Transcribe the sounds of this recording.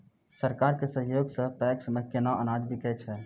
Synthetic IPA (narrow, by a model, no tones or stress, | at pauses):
səɾkaːɾkesə̃ɦjoːɡsə̃pɛksmekenaʔənaːd͡ʒ̪bʱikɛt͡ʃʰɛ